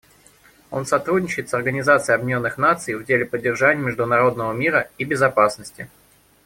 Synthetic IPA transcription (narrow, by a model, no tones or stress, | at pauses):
o̞̰nsɐt̪ɾudʲnʲɪt͡ɕɪɪt̪sɐrɡənʲɪzat̪sɨɪɐbʲnʲonːɨxn̪at̪sɨjvdʲelʲɪpədʲːɪrʐanʲɪjəmʲɪʐd̪ʊnɐɾo̞d̪nəvəmʲiɾəibʲɪzɐpasnəsʲtʲɪ